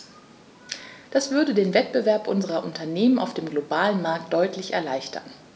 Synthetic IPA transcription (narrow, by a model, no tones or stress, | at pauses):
d̥asv̥ʏɐdədeːnvɛtb̥əvɛɐpʔʊnzəʁɐʔʊntʰɐneːmənaʊfd̥eːmɡlobaːlənmaɐk̚t̚d̥ɔʏtʰlɪçɛ̰ɐlaɪçtʰɐ̰n